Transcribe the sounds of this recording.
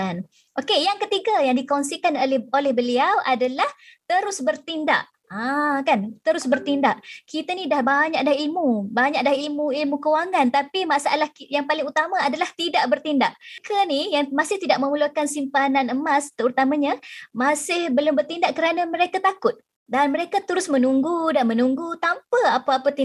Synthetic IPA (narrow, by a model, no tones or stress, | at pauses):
an | ʔokejaŋkət̪iɡajaŋdikonsikanololɛhbəliawʔadalaht̪əɾʊsbərt̪inda̰ʔ | akant̪əɾʊsbərt̪indaʔkit̪anidahbaɲak̚dahilmubaɲaʔ̚dahilmuilmukəwaŋãnt̪apimaʔsaalahkjaŋpalɪŋut̪amaadalaht̪idaʔ̚bərt̪indaʔkʰanijaŋmasɪht̪idaʔ̚mə̃mulukansimpananəmast̪əut̪amãɲamasɪhbəlʊmbərt̪indaʔkəɾanaməɾekat̪akʊt̪̚ | danməɾekat̪əɾʊsmənuŋɡudanmə̃nuŋɡut̪ampəapaapət̪i